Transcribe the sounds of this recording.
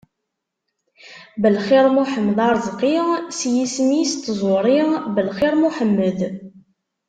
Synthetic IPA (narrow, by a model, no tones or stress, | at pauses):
bəlχiɾmuħəmːðɑɾˤzˤqːiʁsjismist̪ːzˤʊɾˤiʁbəlχɪɾmuħəmːəð